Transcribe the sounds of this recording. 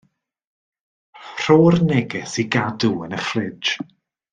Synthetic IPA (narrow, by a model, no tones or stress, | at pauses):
r̥oːrnɛɡɛsiɡaduənəχlɪ̥d͡ʒ